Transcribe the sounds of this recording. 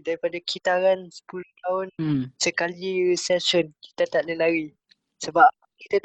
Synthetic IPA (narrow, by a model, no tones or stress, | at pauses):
daɾipadakʰit̪aɾansə̥pulʊht̪aʊnsəkaliɾisɛsɔnki̥t̪at̪aʔləlaɾi | səba | kit̪a